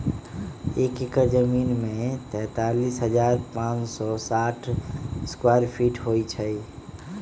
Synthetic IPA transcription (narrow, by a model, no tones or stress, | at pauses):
ekekəɾd͡ʒəminmet̪ɛ̃t̪alisɦəd͡ʒaɾpãt͡ʃsɔsaʈʰskwaɾpʰiʈɦojt͡ʃʰəj